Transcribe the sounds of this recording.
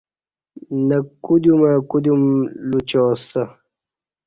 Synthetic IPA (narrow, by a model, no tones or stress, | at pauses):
nɐkud̪umakud̪jumlut͡ɕoːst̪ɐ